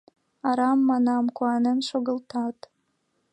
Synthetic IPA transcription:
aɾɑmːɑnɑmkʷuɑnənʃoɡəlt̪ʰɑt̪

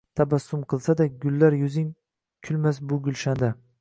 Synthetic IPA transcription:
t̪ʰabasːʊmqʰɨlˠsad̪aɡʊlːaɾjʊzɪŋ | kʲʰʊlmas̬bʊɡʲʊlʃand̪a

